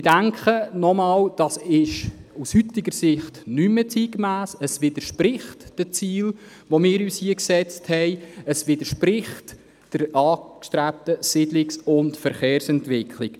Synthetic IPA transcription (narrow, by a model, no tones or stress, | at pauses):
ɪd̥æŋkχənɔmɑːld̥ɑsɪʃushyt̪ɪɡəɾsɪχtnymət͡siːɡmæːsəsʋɪd̪əʃprɪχtd̥ət͡siːl | ʋomɪːɾyːshiəksɛt͡sthɛɪəsʋɪdəɾʃpɾɪχt | d̥əɾɑːkʃtɾæp̚t̪əsɪdlɪksʊntfəɾχeːɾsɛntʋɪkʰlɪk